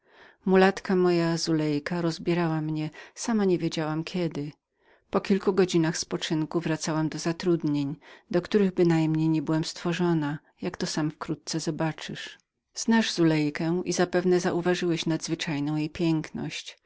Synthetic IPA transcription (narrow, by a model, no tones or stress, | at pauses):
mulat̪kamɔjazulɛjkaɾɔzbʲjɛɾawamɲɛsamaɲevʲjed͡ʑawamkʲʰɛd̪ɘ | pɔkʲilkuɡɔd͡ʑinaxspɔt͡ʂɘŋkuvɾat̪sawamd̪ɔzat̪ɾud̪ɲeɲd̪ɔkt̪uɾɘɣbɘnajmɲejɲɛbɘwamst̪fɔʐɔna | jakt̪ɔsamfkɾut̪̚t̪sɛzɔbat͡ʂɨ̰ʂ | z̥naʐz̥ulɛjkɛ̃w̃ʔḭzapɛvnɛzaʔuvaʐɘwɛɕnad̪zvɘt͡ʂajnɔ̃w̃jejpʲjɛŋknɔ̰ɕt͡ɕ